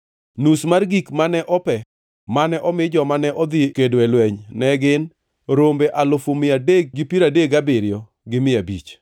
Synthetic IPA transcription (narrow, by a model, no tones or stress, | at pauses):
nusmarɡikmanɛʔɔpɛ | manɛʔɔmɪd͡ʒɔmanɛʔɔd̪ɪkedwɛlwɛɲnɛɡɪn | ɾombeʔalʊfomɪadeɡ̚ɡipiɾadeɡabɪɾjɔ | ɡɪmɪabit͡ʃ